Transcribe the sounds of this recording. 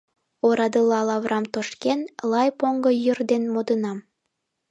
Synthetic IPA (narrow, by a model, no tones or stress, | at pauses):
oɾɑd̪əlɑlɑβrʔɑmt̪oʃkenlɑjpoŋɡɤjərd̪enmod̪ənɑm